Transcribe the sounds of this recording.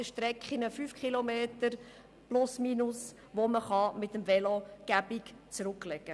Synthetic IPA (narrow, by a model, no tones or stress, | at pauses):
əʃtɾɛkχinəfyfkχilomeːt̪əɾ | plʊsmiːnʊs | ʋoməχɑmɪt̪əmvɛloɡ̥æbikt͡sɾʊklɛɡə